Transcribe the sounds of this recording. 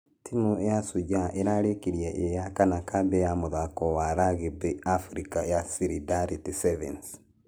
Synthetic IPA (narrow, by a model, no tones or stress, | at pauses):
timujasuɟaʔeɾaɾekiɾiaʔejakanakabɛjamuðakɔwaɾaɣibɛafɾikajasiɾidaɾitisɛvɛns